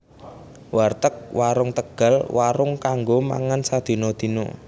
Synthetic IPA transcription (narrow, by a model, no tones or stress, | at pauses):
wart̪ək̚waɾʊŋt̪əɡ̥a̤lwaɾʊŋkaŋɡoma̰ŋansad̪̥i̤nod̪̥i̤nɔ̰